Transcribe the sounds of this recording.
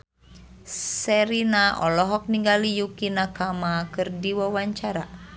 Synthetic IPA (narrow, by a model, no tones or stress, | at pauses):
sɛɾinaʔɔlɔɦɔk̚niŋɡalijukinakamakɨrdiwawaɲt͡ʃaɾa